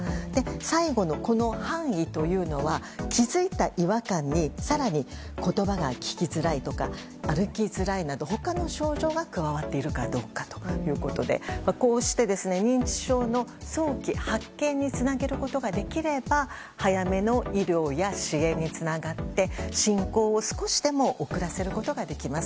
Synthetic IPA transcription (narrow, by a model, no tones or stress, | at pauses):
d̪e̞saiɡo̞no̞ko̞no̞hãɰ̃it̪o̞jɯ̟ːno̞βakʲizɨit̪aʔiβakãɲ̟ːisaɾaɲ̟iko̞t̪o̞baɡakʲi̥kʲizɨɾait̪o̞ka | aɾɯ̟kʲizɨɾainad̪o̞ho̞kano̞ɕo̞ːʑo̞ːɡakɯ̟βaβat̪ːe̞iɾɯ̟kad̪o̞ːkḁt̪o̥jɯ̟ːko̞t̪o̞d̪e̞̰mako̞ːɕi̥t̪e̞d̪e̞sɨne̞ɲ̟ĩɲt͡ɕi̥ɕo̞ːno̞so̞ːkʲihakːẽ̞ɲ̟ːit͡sɨnaɡe̞ɾɯ̟ko̞t̪o̞ɡad̪e̞kʲiɾe̞ba | hajame̞no̞iɾʲjo̞ːjaɕiẽ̞ɲ̟ːit͡sɨnaɡat̪ːe̞ɕĩŋko̞ːsɨ̥ko̞ɕi̥d̪e̞mo̞ʔokɯ̟ɾase̞ɾɯ̟ko̞t̪o̞ɡad̪e̞kʲimasɨ